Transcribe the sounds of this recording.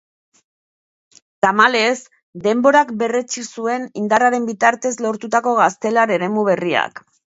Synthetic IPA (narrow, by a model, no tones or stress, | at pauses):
t̪amale̞s | d̪e̞mbo̞ɾakbe̞re̞t͡ʃisue̞nind̪araɾe̞mbit̪aɾt̪e̞zlo̞ɾt̪ut̪ako̞ɣast̪e̞laɾe̞ɾe̞muβ̞e̞ria̰k